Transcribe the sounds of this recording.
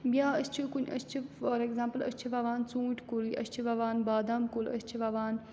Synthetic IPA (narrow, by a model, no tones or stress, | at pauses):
biaːɐst͡ʃʰikunɐ̰st͡ʃʰifɔːɾeɡzãːmpəlɐ̰st͡ʃʰiʋaːʋaːnt͡sũːʈʲʰkuliʔɐ̰st͡ʃʰiʋaːʋaːnbaːd̪aːmkolɐ̰st͡ʃʰiʋaːʋaːn